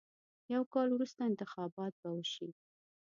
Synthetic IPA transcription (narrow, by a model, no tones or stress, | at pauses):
jawkɑlwɾust̪aɪnt̪ɪxɑbɑt̪̚bawəʃi